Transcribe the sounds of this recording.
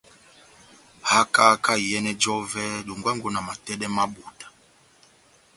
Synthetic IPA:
ha˦ka˦ka˦i˨jɛ˦nɛ˦d͡ʒɔ˦vɛ˦ɗu˨ŋɡwa˦ŋɡɔ˦na˨ma˨tɛ˦ɗɛ˦ma˦ɓu˨dḁ˨

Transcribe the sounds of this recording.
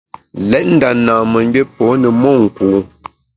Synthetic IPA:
lɛ˦t̚n̩˦da˨naː˨mə˨ŋ˦be˦pɔː˨˦nə˨mɔ˦˨ŋ̩˨kuː˨˦

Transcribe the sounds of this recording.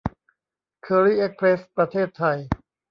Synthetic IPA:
kʰɤː˧ɾiː˥˩ʔe˦˥k̚pʰɾe˦˥spɾa˧t̪ʰeː˥˩t̪ʰːa˧j

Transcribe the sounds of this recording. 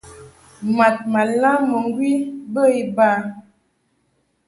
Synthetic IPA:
ma˨t̚ma˨la˦mə˨ŋ˦ɡwi˦bə˦i˦ba˦

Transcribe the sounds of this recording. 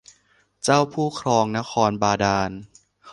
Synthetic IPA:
t͡ɕaː˥˩wpʰuː˥˩kʰɾɔː˧ŋna˦˥kʰɔː˧nbaː˧daː˧n

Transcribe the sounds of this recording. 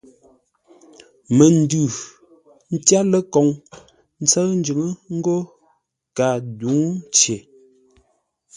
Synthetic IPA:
mə˨n˦dʉ˨ | n̩˦tja˦lə˦kɔ˨ŋ | n̩˦t͡sə˦n̩˦d͡ʒʉ˨˦ŋə˦ŋ̩˦ɡo˦ | ka˨du˨˦ŋn˦t͡ʃe˨

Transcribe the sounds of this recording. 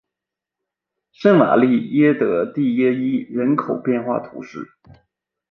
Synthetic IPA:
ʂə˥ŋma̰˨˩li˥˩jɛ˥t̪ɤ˧˥t̪i˥˩jɛ˥i˥ɻə˧˥nkʰo˨˩ʊpjɛ˥˧nxwa̰˥˩t̪ʰṵ˧˥ʂɻ̩˥˩

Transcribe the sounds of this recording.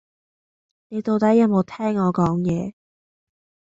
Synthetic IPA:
ne˨˧jt̪o˨˧wt̪ɐ˨˥jɐ˨˧˩mo˨˧wt̪ʰɛː˥ŋːɔː˨˧kɔː˨˥ŋjɛː˧

